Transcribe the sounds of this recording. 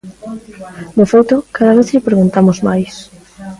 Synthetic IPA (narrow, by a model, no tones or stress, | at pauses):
d̪efejt̪okaðaβ̞eθʎepɾeɣunt̪amozmajs